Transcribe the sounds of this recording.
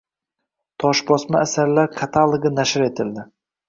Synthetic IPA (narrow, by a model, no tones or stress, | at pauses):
t̪ʰɒʃbɒsmaːsaɾlaɾqʰɑt̪ʰalˠɨɡʲɪnaʃɪɾe̞t̪ʰɪld̪ɪ